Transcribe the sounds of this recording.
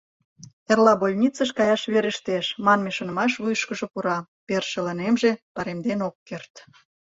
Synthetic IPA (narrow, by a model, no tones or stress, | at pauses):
erlɑbolʲnʲit͡səʃkɑjɑʃβeɾə̆ʃt̪eʃmɑnmeʃŏnə̆mɑʃβujʃkəʒŏpuɾɑ | perʃə̆lɑnemʒepɑɾemd̪enokːert̪